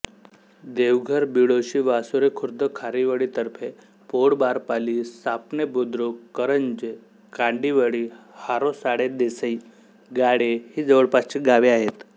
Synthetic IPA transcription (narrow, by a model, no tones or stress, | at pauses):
d̪eʋɡʱəɾbiɽoɕiːʋasuɾekʰuɾd̪əkʰaɾiʋəɽit̪əɾpʰe | poɽbaɾpalisapnebud̪ɾokəɾəɲd͡ʑe | kaɳɖiʋəɽi | haɾosaɽed̪esəi | ɡaɽehiːd͡zəʋəɭpast͡ɕiɡaʋiaɦet̪